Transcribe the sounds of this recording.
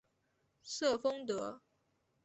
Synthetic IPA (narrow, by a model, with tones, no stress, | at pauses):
sɤ˥˩fɤ˥ŋt̪ɤ˧˥